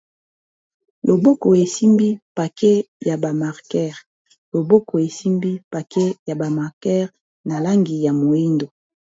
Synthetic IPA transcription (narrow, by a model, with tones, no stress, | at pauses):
lo˨bo˦ko˨e˨si˦mbi˦pa˨ke˦ja˨ba˨ma˨ʁkɛ˦ʁ | lo˨bo˦ko˨e˨si˦mbi˦pa˨ke˦ja˨ba˨ma˨ʁkɛ˦ʁ | na˨la˦ŋɡi˨ja˨mo˨i˦ndo˨